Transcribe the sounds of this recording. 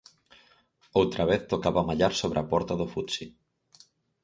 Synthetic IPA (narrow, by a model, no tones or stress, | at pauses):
owt̪ɾaβeθt̪okaβamaʎaɾsoβɾapɔɾt̪aðʊfut̪si